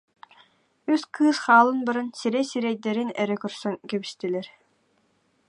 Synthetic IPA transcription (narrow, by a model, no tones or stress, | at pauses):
yskɯːsχaːlˠɯnbaɾɯnsiɾɛsiɾɛjd̪ɛɾinɛɾɛkœɾsœŋkɛbist̪ɛlɛɾ